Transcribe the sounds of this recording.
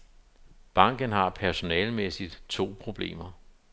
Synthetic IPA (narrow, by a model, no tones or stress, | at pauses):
b̥ɑ̈ŋ̰ɡ̥ənɦɑ̈pʰæɐso̝nɛːlmesid̥t͡sʰo̝̰ːpʰʁo̝b̥le̝̰ːmɐ